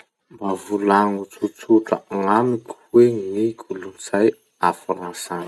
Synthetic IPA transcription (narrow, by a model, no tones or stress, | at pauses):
mbavulaŋut͡sut͡suʈ͡ʂə̰ŋamikʲʰu̥weŋikʲʰulunizaj | afuɾasan